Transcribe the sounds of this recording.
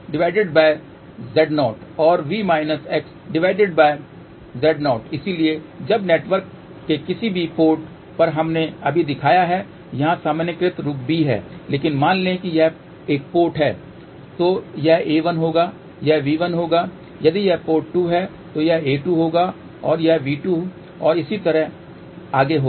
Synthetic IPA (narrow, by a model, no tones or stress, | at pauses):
ɖɪʋaːɪɖɪɖbaːɪ | zɛːɖnɔːʈɔːɾʋiːmaːɪnəsɛːksɖɪʋaːɪɖɪɖbaːɪ | zɛːɖnɔːʈɪsilie | d͡ʒɐbneːʈʋəɾkː | ekɪsibʱipoːɾʈ | pɐɾɦɐmneɐbʱid̪ɪkʰaːjaɦɛ | jɐɦãsaːmənjəkɾɪt̪ɾʊːkbʱiɦɛ̰ːleːkɪnmãːnlẽkijɐɦ | eːk̚poːɾʈɦɛː | t̪oːjɐɦeːʋɐnɦoːɡaː | jɐɦʋiːʋənɦoːɡa | jɐd̪ijɐɦpoːʈːʈuɦɛ | t̪ojɐɦeːʈuɦoːɡa | ɔːɾjɐɦʋiːʈu | ɔːɾɪsit̪ɐɾəɦ | aːɡeɦoː